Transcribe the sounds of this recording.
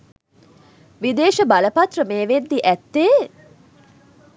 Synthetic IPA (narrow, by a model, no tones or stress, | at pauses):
ʋid̪eːʃəbaləpɐt̪rəmeːʋend̪iʔæt̪ːeː